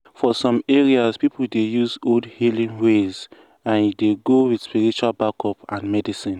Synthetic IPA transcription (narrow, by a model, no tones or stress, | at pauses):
fɔsɔ̃meɹiazpipuldejuzodhilĩŋwez | ãnjideɡowidspiɹit͡ʃualbakɔpãnmɛdisĩn